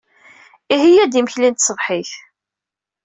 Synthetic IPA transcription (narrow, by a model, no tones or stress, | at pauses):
ihijːæd̪iməçlint̪sˤəvħiθ